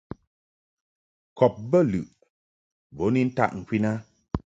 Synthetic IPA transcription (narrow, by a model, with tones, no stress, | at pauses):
kɔ˨p̚bə˦˨lɨ̰˨ʔ | bo˨˦ni˦n̩˦ta̰˦ʔŋ̩˨kwi˦na˦